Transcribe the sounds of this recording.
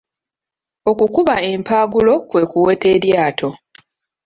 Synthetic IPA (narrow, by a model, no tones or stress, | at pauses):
o̞kukuβae̞ːmpaːɡulo̞kwe̞ːkuwe̞ːte̞ːɾjaːtʰo̞